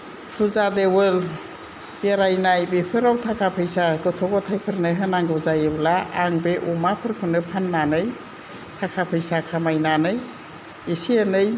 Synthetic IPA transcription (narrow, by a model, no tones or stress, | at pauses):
pʰuzadewɯl | b̥eɾajnajbepʰɯɾawtʰakʰapʰɯjsaɡɯtʰɔɡɔtʰajpʰɯɾnɯjɦɯnaŋɡɯzajɯblaːŋbeʔumapʰɯɾkʰɯnɯpʰanːanɯj | tʰakʰapʰɯjsakʰamajnanɯj | esiənɯj